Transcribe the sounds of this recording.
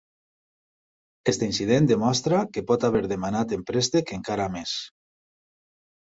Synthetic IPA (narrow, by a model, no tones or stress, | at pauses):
est̪einsið̞end̪emɔst̪ɾakepɔt̪aβ̞eɾðemanat̪empɾest̪ekeŋkaɾames